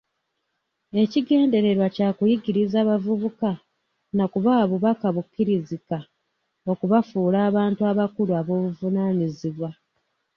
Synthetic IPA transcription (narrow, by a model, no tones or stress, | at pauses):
e̞ciɡe̞ːnde̞ɾe̞ɾwacaːkujiɡiɾizaːβavuβuka | nakuβaːβuβakaβukːiɾizika | o̞kuβafuːlaːβaːntuaβakuluaβo̞ːβuvunaːɲiziβwa